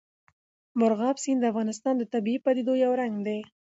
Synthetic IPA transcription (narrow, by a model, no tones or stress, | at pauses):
mʊɾɣɑbsind̪əafɣɑnɪs̬t̪ɑnd̪ət̪abiipad̪id̪ojawɾaŋɡd̪e